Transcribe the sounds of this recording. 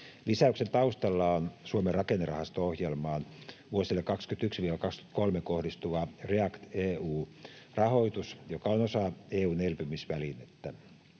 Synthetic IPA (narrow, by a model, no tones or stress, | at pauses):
lisæyksent̪ɑust̪ɑlːɑonsuomerɑkenːerɑ̰hɑst̪oohjelmɑːnʋuosilːekɑkskyt̪yksʋiːʋælkɑksky̥t̪kolmekohdist̪uʋɑreɑkt̪eːuːrɑhoit̪usjokɑonosɑeːuːnelpymisʋælinet̪ːæ